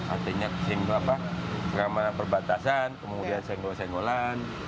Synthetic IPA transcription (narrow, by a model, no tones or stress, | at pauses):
ʔa̰rt̪iɲasɛŋduapasəɡamanapərbat̪asankəmudiansɛŋdosɛŋɡolan